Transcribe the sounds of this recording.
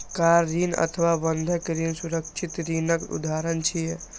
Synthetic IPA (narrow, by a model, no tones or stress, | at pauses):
kaɾːinə̰t̪ʰəʋabənd̪ʱəkeɾinsuɾəkt͡ʃʰit̪ɾinəkṵd̪aːɾənt͡ʃʰije